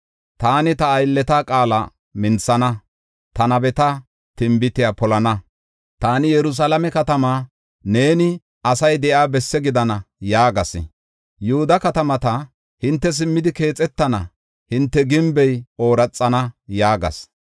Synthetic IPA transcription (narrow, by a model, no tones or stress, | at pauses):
t̪aːnɪt̪ɐːjlːɛt̪aːkʼaːlɐ̰ | mɪnt͡sːɐnɐ | t̪ɐnɐbɛt̪ɐ | t̪ɪmbɪt̪ɪjaːpɔlɐnɐ | t̪aːnɪjɛɾʊs̬alɐmɛkɐt̪ɐmaː | ne̞ːnɪ | ɐsɐjd̪ɛʔaːbɛsːɛɡɪd̪ɐnɐjaːɡɐsɪ̰ | jʊhʊd̪ɐkɐt̪ɐmɐt̪ɐ | hɪnt̪ːɛs̬ɪmːɪd̪ɪke̞ːt͡sʼːɛt̪ːɐnɐ̰ | hɪnt̪ːɛɡɪmbɛjo̞ːɾɐt͡sʼːɐnɐjaːɡɐ̰s